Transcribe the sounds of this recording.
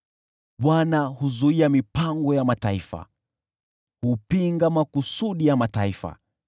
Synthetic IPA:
ɓwanahuzuiamipaŋɡɔjamataifa̰ | hupiŋɡamakusuɗijamataifa̰

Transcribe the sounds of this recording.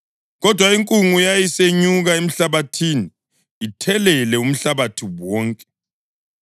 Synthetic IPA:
ɣɔd̥ʱwaiŋkʼuŋujajiseɲuɣaem̩ɬaβatʰiniː | tʰɛlɛlɛum̩ɬaβatʰiwɔːŋkʼɛ̥

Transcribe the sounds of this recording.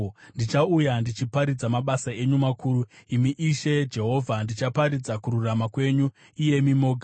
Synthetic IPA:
ndit͡ʃaujandit͡ʃipaɾid͡zamaɓasae̞ɲumakʰuːɾuimiʔiʃe̞d͡ʒe̞ɦo̞vʱandit͡ʃapaɾid͡zakuɾuramakwe̞ɲu | ije̞mimo̞ɡʱa

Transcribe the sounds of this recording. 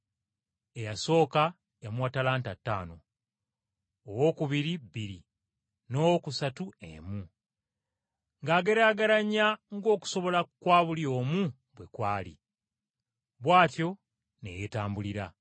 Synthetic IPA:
e̞jaso̞ːka | jamuwatalaːntatːa̰ːno | wo̞ːkuβiɾibiɾi | no̞wkusatuḛmu | ŋɡaːɡe̞ɾaːɡaɾaɲaŋɡo̞ːku̥so̞βo̞lakwaːβuljo̞ːmu | bwe̞kwaːlḭ | βwaːtjo̞ | ne̞̰jetaːmbuliɾa

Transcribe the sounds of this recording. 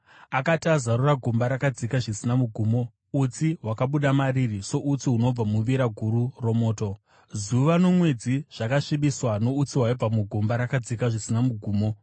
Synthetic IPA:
akatazaɾuraɡʱombaɾakad͡zikaʐisinamuɡʱuːmo̞ | ut͡siɦwakaɓuɗamaɾiriso̞ʔut͡siuno̞b͡vamuʋiɾaɡʱuɾuro̞mo̞ːto̞ | zuʋano̞mwe̞d͡ziʐ̥akaʂiɓiswano̞ut͡siɦwaib͡vamuɡʱombaɾakad͡zikaʐisinamuɡʱuːmo̞

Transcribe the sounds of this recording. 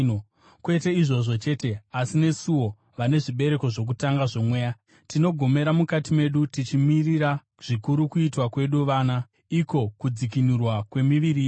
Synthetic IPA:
kwete̞iʐo̞ʐo̞t͡ʃe̞ːte̞asine̞suwo̞ | ʋane̞ʐiɓe̞ɾe̞ko̞ʐo̞k̬utaŋɡaʐo̞mwe̞ːja | tino̞ɡʱo̞me̞ɾamukatime̞ɗutit͡ʃimiriɾa | ʐ̥ikuɾukuitwakwe̞ɗuʋaːna | iko̞kud͡zik̬inurwakwe̞miʋiɾiː

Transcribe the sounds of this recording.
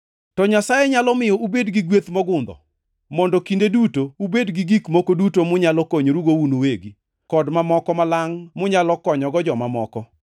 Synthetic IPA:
tɔɲasajɛɲalɔmɪjɔʔubedɡiɡwet̪mɔɡʊnd̪ɔ̰ | mɔndɔkindedutoubedɡiɡikmokodutomʊɲalɔkoɲɾuɡounoweɡi | kɔdmamɔkɔmalaŋmʊɲalɔkɔɲɔɡɔd͡ʒɔmamɔkɔ

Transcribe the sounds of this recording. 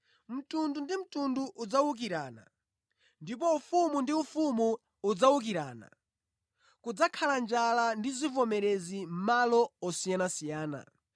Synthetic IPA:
m̩tundundim̩tunduʔud͡zawuk̬iɾaːna̰ | ndip̬ɔufumundiufumu | ud͡zawuk̬iɾa̰ːna̰ | kud͡zakʰaland͡ʒalandizivɔmɛɾɛzim̩malɔɔsijanasijaːna̰

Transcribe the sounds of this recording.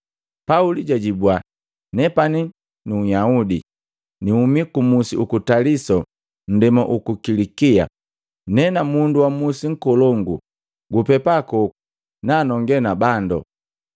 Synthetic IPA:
pauliɟaɟibwa | nɛpani | nuːjaudi | niumikumusiukutalisɔ | n̩dɛmaʔukukilikia̰ | nɛnamunduwamusiŋ̩kɔlɔŋɡṵ | ɡupɛpakɔu | naːnɔŋɡɛnabandɔ̰

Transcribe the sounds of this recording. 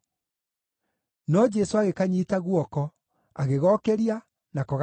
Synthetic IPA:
nɔd͡ʒɛsoaɣekaɲitaɣwɔkɔ | aɣeɣɔkɛɾia | nakɔɣ

